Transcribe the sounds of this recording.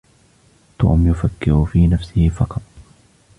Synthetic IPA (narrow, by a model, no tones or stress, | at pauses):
t̪o̰ːmjʊfakːɪhʊfiːnafsɪhɪfɑqɑt̪̚ˤ